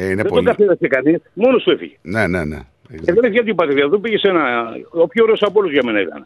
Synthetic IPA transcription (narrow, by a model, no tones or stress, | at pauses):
ineðed̪oɡɐθeɾɐsekɐnismo̞nost̪uefḭʝenenḛnḛ | eðenefiʝɐt̪ibɐt̪ɾiɐðopiʝesenɐopçoɾesɐpolozʝɐmenɐit̪ɐ̰n